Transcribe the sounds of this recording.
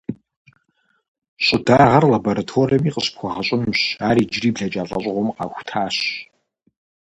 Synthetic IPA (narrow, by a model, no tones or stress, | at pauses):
ɕʼʊdaːʁɐrlaboɾɐtʰoːriɐmiːqəɕpxʷɔʁɐɕʼɪmɕaːɾiːd͡ʒriːbɮɐt͡ʃʼaːɬʼɐ̰ɕʼʁʷɔmqɑ̰ːxʷtʰaːɕ